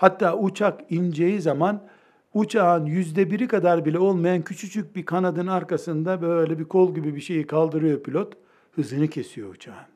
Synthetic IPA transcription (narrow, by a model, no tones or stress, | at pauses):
hat̪ʰːaːut͡ʃʰakind͡ʒejizaman | ut͡ʃʰaːɯnjyzd̪ɛbiɾikad̪aɾbilʲɛo̞lˠmajancʰyt͡ʃʰyt͡ʃʰyc̚bikʰanad̪ɯnaɾkasɯnd̪abølʲɛbikʰo̞lˠɟibibiʃe̞jikʰalˠd̪ɯɾɯjo̞pʰilʲo̞t̪ | hɯzɯnɯcʰe̞sijo̞̰ut͡ʃʰaːɯn